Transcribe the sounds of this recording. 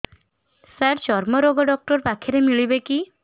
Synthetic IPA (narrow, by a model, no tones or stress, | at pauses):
saɾd͡ʒɔɾmɔɾoɡɔɖɔk̚ʈɔɾpakʰeɾemiɭibeki